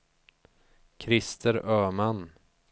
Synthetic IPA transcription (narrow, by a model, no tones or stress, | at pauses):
kʰɾɪst̪ʰəɾœːman